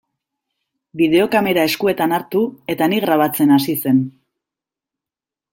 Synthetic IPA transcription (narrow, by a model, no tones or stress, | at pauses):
bið̞e̞o̞kame̞ɾae̞skue̞t̪anaɾt̪ue̞t̪aniɣɾaβ̞at͡se̞nasise̞n